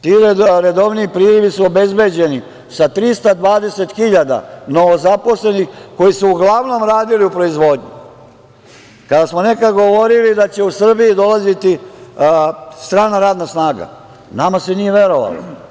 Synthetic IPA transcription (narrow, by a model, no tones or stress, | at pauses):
t̪iːɾɾed̪o̞ʋniipɾiːɾiʋisuobe̞zbe̞d͡ʑe̞ni | sat̪ɾist̪ad̪ʋaːd̪e̞set̪xiʎad̪a̰noozapo̞sle̞nixko̞jisuuɡlˠaʋno̞mɾaːd̪iliupɾo̞izʋo̞ːd̪ɲu | kad̪asmone̞kad̪ɡo̞ʋo̞ɾilid̪at͡ɕe̞usr̩bijid̪o̞lazit̪i | st̪ɾaːnaɾaːd̪nasnaːɡa̰ | namasenije̞ʋje̞ɾo̞ʋa̰lo̰